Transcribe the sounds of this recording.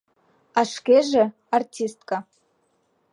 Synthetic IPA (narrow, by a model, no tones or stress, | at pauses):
aʂkʲeʐe | artʰʲist̪kʼa